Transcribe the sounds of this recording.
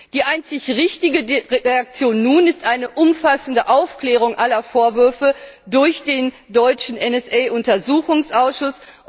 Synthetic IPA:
d̥iːʔaɪnt͡sɪçʁɪçtɪɡəʁʁeak̚t͡sjoːnːuːnɪstʔaɪnəʔʊmfasn̩dəʔaʊfkl̥ɛːʁ̞ʊŋʔalɐfoːɐvʏɐfədʊɐçd̥eːn | dɔʏt͡ʃn̩ɛnɛsʔɛːʔʊntɐzuːxʊŋsʔaʊsʃʊs

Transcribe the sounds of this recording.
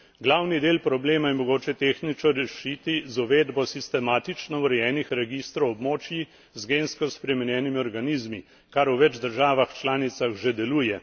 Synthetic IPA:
ɡlawnid̪eːlpɾɔbleːmajɛmɔɡoːt͡ʃɛt̪eːxnit͡ʃɔɾɛʃit̪izuʋeːd̪bɔsist̪ɛmaːt̪it͡ʃnɔwɾɛjɛːnixɾɛɡist̪ɾɔwɔbmoːt͡ʃji | zɡeːnskɔspɾɛmɛnjɛːnimiɔɾɡaniːzmi | kaɾuʋɛd͡ʒd̪əɾʒaːʋaxt͡ʃlaːnit̪saxʒed̪ɛluːjɛ

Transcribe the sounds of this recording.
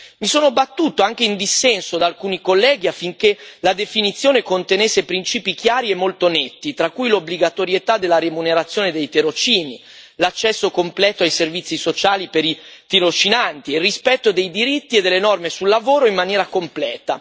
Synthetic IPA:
misoːnobat̪ːuːt̪oaŋk̟eind̪isːɛnsod̪alkuːnikolːɛːɡ̟iafːiŋkelad̪efinit̪sːjoːnekont̪enesːepɾint͡ʃiːpik̟jaːɾiemːolt̪onet̪ːit̪ɾakːujlobliɡat̪oɾjet̪ad̪ːelːaɾemuneɾat̪sːjoːned̪ejt̪eɾot͡ʃiːni | lat͡ʃːɛsːokomplɛːt̪oajservit̪sːisot͡ʃaːlipeɾit̪iɾot͡ʃinant̪ierːispɛt̪ːod̪ejd̪iɾit̪ːied̪elːenɔrmesulːavoːɾoimːanjɛːɾakomplɛːt̪a

